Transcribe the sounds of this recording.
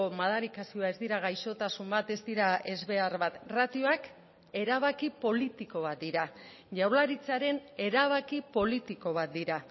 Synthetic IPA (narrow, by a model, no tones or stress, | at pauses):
omaðaɾikasio̞aezd̪iɾaɣ̞ajʃo̞t̪asumbat̪e̞zd̪iɾae̞zβe̞aɾβat̪rat̪io̞ak | e̞ɾaβ̞akipo̞lit̪iko̞β̞at̪̚d̪iɾa | ʝawlaɾit͡saɾe̞ne̞ɾaβ̞akipo̞lit̪iko̞β̞at̪̚d̪iɾa